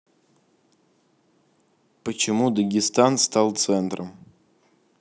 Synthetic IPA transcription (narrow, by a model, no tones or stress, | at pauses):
pət͡ɕɪmud̪əɡʲɪst̪anst̪alˠt̪sɛnt̪ɾəm